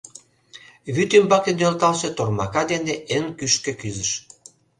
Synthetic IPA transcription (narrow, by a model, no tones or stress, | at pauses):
βyt̪ymbɑkenølt̪ɑlʃĕt̪ormɑkɑd̪eneʔenkyʃkĕkyzə̆ʃ